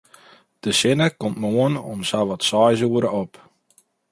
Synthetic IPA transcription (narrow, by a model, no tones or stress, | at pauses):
d̥əsɪnəkɔmtmoənɔ̰msaʋɔtsɔjzuəɾəɔp